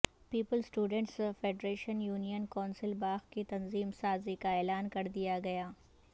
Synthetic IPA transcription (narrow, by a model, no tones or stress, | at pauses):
piːpəlsʈuːɖə̃ɳʈsfeːɖɾeːʃənjuːnijənkɔ̃ːnsɪlbaːɣkit̪ɐnziːmsaːzikaɛːlaːnkɐɾd̪ijaɡɐjaː